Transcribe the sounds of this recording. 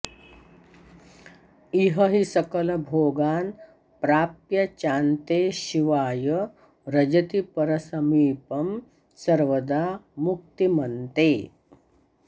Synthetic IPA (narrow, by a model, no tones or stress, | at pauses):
iɦɐɦisɐkɐlɐbʱoːɡaːn | pɾaːpjɐt͡ʃaːnt̪eːɕiʋaːjə | ɾɐd͡ʒɐt̪ipɐɾɐsɐmiːpɐm | sɐɾʋɐd̪aːmuk̚t̪imɐnt̪eː